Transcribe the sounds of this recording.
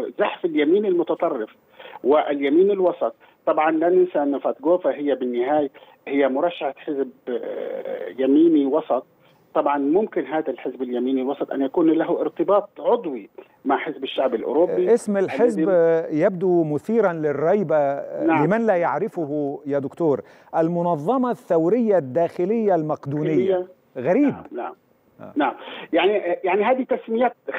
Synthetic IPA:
zaħfɪljamiːnɪlmʊt̪ɑt̪ˤɑrˤːɪf | wɪʔɪljamiːnɪlwɑsˤɑt̪̚ˤːɑbʕɑnlanɪnsaːnːafat̪̚ɡoːfaɦɪjːabɪnːɪɦaːja | hɪjːamʊɾˤɑʃːaħħɪzb | jamiːniwɑsˤɑt̪̚ˤ | t̪ːɑbʕɑnmʊmkɪnɦaːd̪alħɪzbɪljamiːniɪlwɑsˤɑt̪ˤʔa̰njakuːnlaɦʔɪɾt̪ɨbɑːt̪̚ˤʕʊd̪ˤwi | maʕħɪzbɪʃːaʕbɪlʔʊ̰ɾobːiʔɪsmɪlħɪzbjab̚d̪umʊθiːɾɑnlɪrˤːɑjbalɪmanlajaʕɾɪfʊɦʊjad̪ʊkt̪uːɾ | ʔalmʊnɑðˤːɑmɑθːawɾɪjːad̪ːaːxɪlɪjːalmaqd̪uːnɪjːaa | ɣaɾiːbbna̰ʕm̰ | naʕamjaʕnijaʕniɦaːd̪it̪asmɪjaːt̪̚

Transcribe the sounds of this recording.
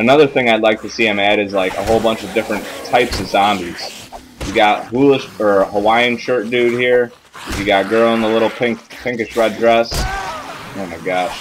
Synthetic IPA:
ɨnʌðə˞θɪ̃ŋaɪlaɪk̚tʰɨsiɛ̃mæɾɨzlaɪkə̰ɦoʊlˠbʌ̃nt͡ʃʌvdɪfɹɨ̃ntʰaɪpsʌv̥sɑ̃mbiz̥ | jɨɡɑt̚hulˠəʃə˞həwaɪɨ̃nʃɜ˞t̚d̥ʉd̚hiɹ | jɨɡɑt̚ɡ̥ɜ˞lˠə̃nðəlɪɾl̩ˠpʰɪ̃ŋkpʰɪ̃ŋkɨʃɹɛdɹɛs | ãnaɡɑt̚

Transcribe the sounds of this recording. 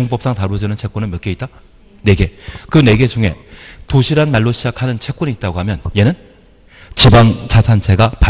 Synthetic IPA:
oŋp͈ʌp̚s͈aŋtaɾod͡ʑʌnɯnt͡ɕʰe̞k͈unɯnmjʌk͈eit̚t͈a | ne̞ɡe̞kɯne̞ɡe̞d͡ʑuŋe̞toɕʰiɾanmaɭːoɕʰid͡ʑakʰanɯnt͡ɕʰe̞k͈̚uniːt̚t͈aɡoɦamjʌnje̞nɯn | t͡ɕibaŋt͡ɕʰasʰant͡ɕʰe̞ɡapa

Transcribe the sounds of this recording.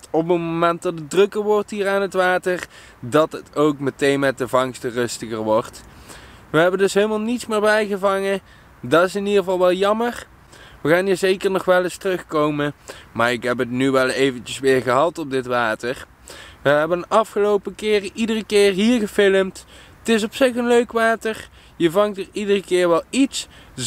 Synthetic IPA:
ɔpənmomɛnt̚dɑtədrɵkəɹʋɔrtɦiːɹaːnɦətʋaːtəɹ | dɑtɦətowkmətejnmɛt̚dəvɑŋstərɵstəɣəɹʋɔɹt | ʋəɦɛbəndɵsɦelˠmaːlˠnitsmɪːɹbɛjɣəvɑŋə | dɑtɪsɪnidəʁəvɑlˠʋɛlˠjɑmər | ʋəɣaːnɦiːɹzejkəɹnɔχʋɛləstrɵxkowməmaːɹɪkɦɛp̬ɦətnyʋɛlˠejvənt͡ʃəsʋɪːɹɣəɦɑlˠtɔb̚dɪtʋaːtəɹ | ʋəɦɛbənɑfχəlowpəkɪːrəʔidərəkɪːɹɦiːɹɣəfɪləmt | tɪs̬ɔpsɪχənløɥkʋaːtəɹ | jəvɑŋtəɹidərəkɪːɹʋɛlˠits

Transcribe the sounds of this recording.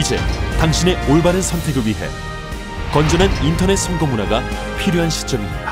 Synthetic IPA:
id͡ʑe̞̰taŋɕʰine̞oɭbanɯnsʰʌntʰe̞ɡɯɭɥiɦe̞̰ | kʌnd͡ʑʌnanintʰʌne̞t̚s͈ʰʌnɡomunaɡa | pʰiɾjoɦanɕʰi̥t͡ɕ͈ʌmiɲid̥a

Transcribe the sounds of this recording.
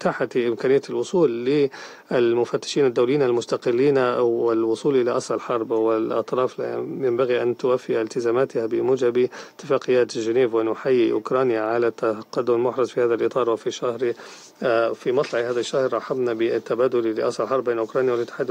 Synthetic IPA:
t̪aħaʔɪmkaːnɪjːalʔʊsˤuːlːɪ | ʔɪlmʊfat̪ːɪ̥ʃiːnad̪ːawlɪjiːnalmʊst̪aqɪlːiːnɪlwʊsˤuːlʔɪlaʔɑsʔɪlħɑɾˤbwɪlʔɑ̰t̪ˤɾˤɑːfla̰jambaɣiʔant̪ʊwafːɪʔɪlt̪ɪzaːmaːt̪ɪhabɪmuːd͡ʒabt̪ːɪfaːqɪjːaːt̪ʒɪneːvwɪnʊħajːiʔʊ̰kɾˤɑːnjaʕalat̪ːaqad̪ːʊmɪlmʊħɾˤɑzfihaːðalʔɨt̪ˤɑːɾˤwɪfiʃahɾi | fimɑt̪ˤlɑʕihaːðaʃːahɾɾˤɑħɑbnabɪt̪ːabaːd̪ʊllɪʔɑsˤɪlħɑɾˤbeːnʔʊkɾˤɑːnjawɪlmɪt̪ːɪ̥ħad̪

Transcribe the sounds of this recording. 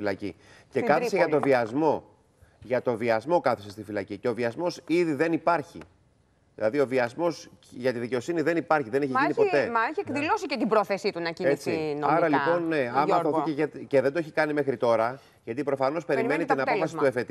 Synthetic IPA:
filɐcḭce̞kɐθθiseɐt̪o̞viɐzmo̞ | ʝɐt̪o̞viɐzmo̞kɐθisest̪ifilɐciceo̞viɐzmo̞siðiðe̞nipɐɾçḭ | ðilɐðio̞viɐzmo̞sʝɐt̪iðice̞o̞siniðe̞nipɐɾçiðe̞ne̞çiminipot̪emɐeçiekðilosicet̪ibɾoθesit̪unɐciet͡sinɐɾɐlipo̞nneɐmɐoθiceʝet̪iceðend̪oeçikɐnime̞xɾit̪o̞ɾɐ | ʝɐt̪̬ipɾo̞fɐno̞spe̞ɾime̞nit̪inɐpofɐsit̪uefet̪

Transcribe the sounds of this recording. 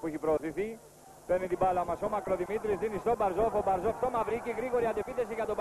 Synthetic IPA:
pueçipɾoːθiθi | penit̪ibalɐmɐsomɐkɾo̞ðimit̪ɾisðinist̪obɐɾzofobɐɾzoft̪omɐvɾiciɣɾiɣo̞ɾiɐd̪epiθe̞siʝɐt̪ob

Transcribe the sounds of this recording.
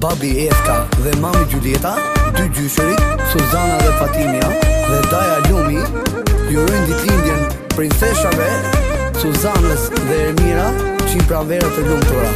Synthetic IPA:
babiɛft̪aðɛmamiɟulɛt̪a | d̪yɟyʃuɾisuzanaðɛfat̪imjaðɛd̪ajalumi | juɾɔjnd̪it̪lind̪jɛn | pɾint͡sɛʃavɛ | suzanəsðɛːɾmiɾa | ʃinpɾavɛɾat̪ɛlumt̪ɔɾa

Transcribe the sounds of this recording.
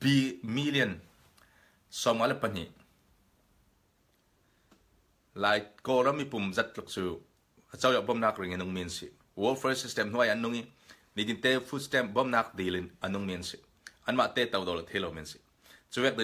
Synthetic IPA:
bimiliɐn | sɔmŋalɛpɐn̥ḭʔ | laːjkɔɾɐmipumzɐt̪̚luk̚t͡suː | ɐt͡sɐwjɔʔbɔmnaːkriŋinuŋmiɐnsḭ | wɔlfʰɛsistɛmn̥uʔajɐnːʊŋi | nid̪int̪ɛfut̚stɛmbɔmnaːk̚d̪ilinʔɐnʊŋmiɐnsi | ʔɐnmaʔt̪ɛt̪ɐwd̪ɔlɐt̪ʰɛjlowminsi̥ | t͡suwɛk̚d̪i

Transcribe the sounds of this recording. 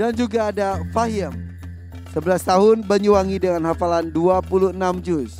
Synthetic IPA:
dand͡ʒuɡaːdafaɦiəm | səbəlast̪aɦʊnbəɲuaŋidəŋanhafalanduapuluənamd͡ʒʊs

